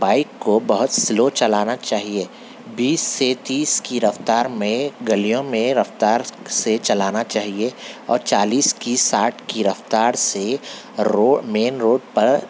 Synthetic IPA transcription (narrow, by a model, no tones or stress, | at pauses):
baːɪkːobɐɦʊt̪sɪlot͡ʃɐlaːnat͡ʃaːɦie | biːsːet̪iːskiɾɐft̪aːɾmẽɡɐlijõmẽɾɐft̪aːɾset͡ʃɐlaːnat͡ʃaːɦieɔ̰ːɾt͡ʃaːliːskisaːʈʰkiɾɐft̪aːɾse | oːmeːnɾoːɖ̚pɐɾ